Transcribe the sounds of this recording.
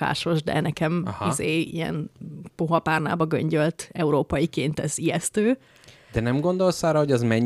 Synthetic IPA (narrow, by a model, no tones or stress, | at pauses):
a̰ːʃo̞ʒd̪ɛ̰nɛkɛmhizeːḭjɛ̰npoɦɒpaːrna̰ːbɒɡø̰ɲɟølt̪ɛuɾoːpɒjikeːnt̪ɛziɛst̪øː | d̪̥ɛnɛmɡo̞nd̪o̞lsaːɾɒɦoɟɒzmɛɲː